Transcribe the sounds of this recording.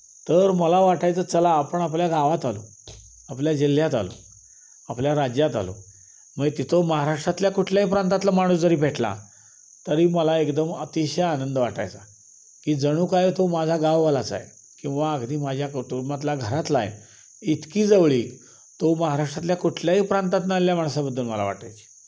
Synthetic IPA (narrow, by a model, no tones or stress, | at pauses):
t̪əɾməlaʋaʈajt͡sət͡səlaːpəɳapljaɡaʋat̪alo̰ | apljad͡ʑil̤jat̪a̰lo̰ | apljaɾad͡ʑjat̪a̰lo̰ | məɡet̪it̪ʰoməɦaɾaʂʈɾat̪ljakuʈʰljaipɾant̪at̪lamaɽ̃uːsd͡zəɾiːbʱeʈla̰ | t̪əɾiːməlaekd̪əmət̪iɕaanənd̪əʋaʈa̰jt͡sa | kiːd͡zəɽ̃uːkajt̪omad͡zʱaɡawʋalat͡sa̰je | kĩw̃ʋaəɡd̪ʱiːmad͡ʑʱjakət̪umat̪laɡʱəɾat̪lajḛ | it̪kiːd͡zəʋɭiː | t̪oməɦaɾaʂʈɾat̪ljakuʈʰljaɦiːpɾãnt̪at̪naljamaɳ̃sabəd̪ʱːuːlməla̰ʋa̰ʈa̰jt͡ɕi̥